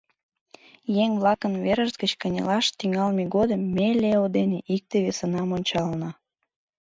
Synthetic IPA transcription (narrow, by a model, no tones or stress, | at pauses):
jeŋβlɑkənβeɾəʒzɡət͡ɕkənʲḛlɑʃt̪iŋɑlmeɣod̪əmːeleod̪eneʔik̚t̪eβesənɑmonʲt͡ɕɑlnɑ